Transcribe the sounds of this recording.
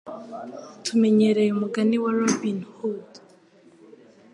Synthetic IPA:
tʰumɛɲɛɾɛjɔmukaniwalɔpinhud

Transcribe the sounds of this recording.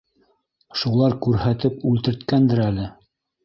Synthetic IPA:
ʃulˠɑɾkʉɾhæt̪ɘpʉlt̪ɘ̆ɾt̪kænd̪ɘɾælɘ

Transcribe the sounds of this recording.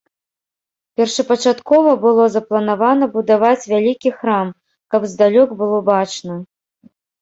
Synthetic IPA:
pʲɛrʂɐpɐt͡ʂat̪kɔvɐbɨlˠɔzɐplˠɐnavanɐbud̪avat͡sʲvʲalʲikʲixɾam | kɐbzd̪alʲɔkbɨlˠɔbat͡ʂnɐ

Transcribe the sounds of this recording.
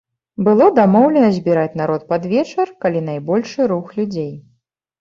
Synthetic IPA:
bɨlˠɔd̪amɔwlʲɛnɐzʲbʲiɾat͡sʲnaɾɔt̪̚pad̪vʲɛt͡ʂɨrkalʲin̪ajbɔlʲʂɨɾuxlʲud͡zʲej

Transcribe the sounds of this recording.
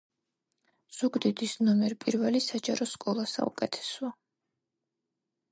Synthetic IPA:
z̥uɡd̪id̪isnɔmɛɾpʼiɾvɛlisad͡ʒaɾɔskʼɔlˠasa̰ṵkʼɛt̪ʰɛ̥sɔa

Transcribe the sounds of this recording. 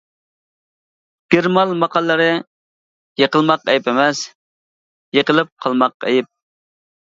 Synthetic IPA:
ɡ̥ʲeɾmɑlˠmɑqʰɑlˠːəɾɨ | jəqəlˠmɑqɛjɪpemɛs | jəqəlˠɨp̚qʰɑlˠmɑq̚ɛ̰jɪp̚

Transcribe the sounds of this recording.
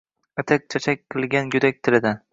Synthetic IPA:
at̪ʰak̚ʲt͡ʃʰat͡ʃʰak̚ʲqɨlˠɡʲanjʊd̪ak̚ʲt̪ʰɪlɪd̪an

